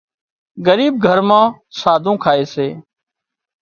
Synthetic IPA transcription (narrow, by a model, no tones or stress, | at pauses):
ɡəɾiːb̚ɡʱəɾmãː | saːd̪ʱũːkʰaːeːseː